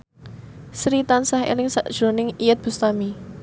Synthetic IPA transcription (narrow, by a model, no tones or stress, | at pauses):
sɾit̪ansahḛlɪŋsaʔd̥ʒ̥ɾo̤nɪŋijət̪̚b̥ṳst̪ami